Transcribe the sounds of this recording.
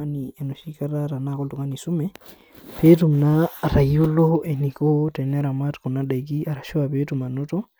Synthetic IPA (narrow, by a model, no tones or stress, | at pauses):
aniɛnoʃikaɾaɾanakɔltuŋanisumɛ | petumnaɾajuloenikotɛnɛɾamatkunadajk̬iaɾaʃuwapetumanɔtɔ